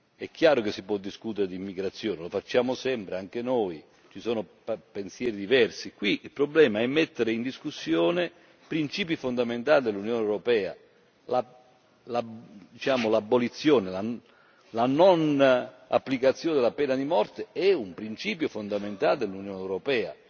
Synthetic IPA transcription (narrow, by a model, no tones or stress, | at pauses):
ɛk̟ːjaːɾokesːipwɔd̪ːiskut̪eɾed̪iimːiɡɾat̪sːjɔːnelofat͡ʃːaːmʊsɛmpɾeaŋk̟enoj | t͡ʃisoːno | pensjɛːɾid̪ivɛrsikwiilpɾoblɛːmaɛmːet̪ːeɾeind̪iskusːjɔːne | pɾint͡ʃiːp̬ifond̪ament̪aːlid̪elːunjoːnewɾopɛːa̰ | la | lad̪it͡ʃaːmʊlabːolit̪sːjɔːnela | lanɔn | a̰pːlikat̪sːjoːnd̪elːapɛːnad̪imɔrt̪eɛumpɾint͡ʃiːpjofond̪ament̪aːld̪elːunjoːneːwɾopɛːa̰